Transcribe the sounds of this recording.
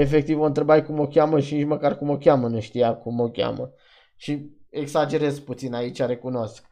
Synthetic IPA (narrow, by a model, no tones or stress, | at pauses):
e̞fe̞k̚t̪ivont̪ɾebajkumo̞kʲaməʃinit͡ʃməkarkumokʲamənuʃt̪ijakumokʲa̰mə | ʃie̞ɡsad͡ʒe̞ɾezput̪sinait͡ʃʲaɾekuno̞sk̚